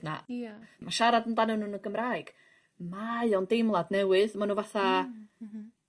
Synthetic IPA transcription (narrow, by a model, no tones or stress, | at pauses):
na̰maʃaɾadəndanɔnunəɡəmraːjɡ̥ | maɨɔndejmlˠadnɛwɨðmanuvaθa